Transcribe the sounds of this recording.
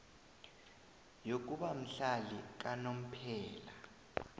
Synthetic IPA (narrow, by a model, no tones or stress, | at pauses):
jok̬ʼuɓam̩ɬalik̬anom̩pʰɛːla